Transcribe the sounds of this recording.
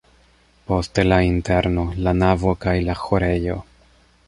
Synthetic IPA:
po̞stelainte̞ɾno̞lanavo̞kajlaxo̞ɾe̞jo̞

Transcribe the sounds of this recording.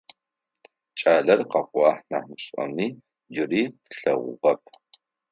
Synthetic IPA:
t͡ʃʼaːɮɐrqɑqʷʼɑːħnaːmɨɕʼɔ̰miː | d͡ʒɪriːɬɐ̰ʁʷʊ̰ʁɐp̚ʰ

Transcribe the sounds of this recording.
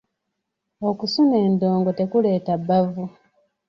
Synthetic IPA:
o̞kusuneːndoːŋɡo̞tekule̞ːtabːavu

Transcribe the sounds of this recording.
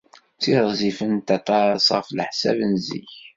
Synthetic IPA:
t͡sːiðˤzifənt̪ɑt̪ˤɑɾɑsʁəflħsæ̰vənzḭç

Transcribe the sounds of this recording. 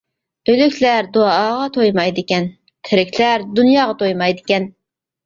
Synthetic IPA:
ølykʲʰlæɾd̪oɑːʁɑt̪ʰojmɑjd̪ɪkʲɛn | t̪ʰɪɾɪkʲlæɾd̪unjɑːʁɑt̪ʰojmɑjd̪ɪkʲɛn

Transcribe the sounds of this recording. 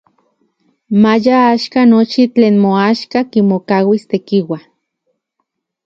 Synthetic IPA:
majaaʃkanot͡ʃit͡ɬeːnmoaʃkakimokawist̪ekiwa

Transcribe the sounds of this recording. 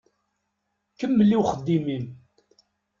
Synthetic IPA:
kəmːəlːiwχəd̪ːimim

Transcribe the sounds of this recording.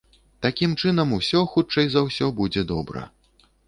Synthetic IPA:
t̪akʲimt͡ʂɨn̪ɐmusʲɔxutt͡ʂɐjzɐwsʲɔbud͡zʲɛd̪ɔbɾɐ̰

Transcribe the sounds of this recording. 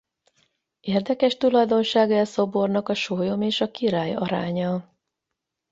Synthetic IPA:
eːrd̪ɛkɛʃt̪ulɒjd̪o̞nʃaːɡɛlso̞bo̞rnɒkɒʃoːjo̞meːʃɒkiɾaːjɒɾaːɲɒ

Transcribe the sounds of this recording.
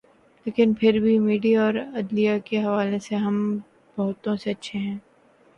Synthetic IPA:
leːkɪnpʰɪɾbʱimiːɖijaɔːɾɐd̪lijakeɦɐʋaːleseɦɐm | bɐɦʊt̪õseɐtːʃʰeɦɛ̃ː

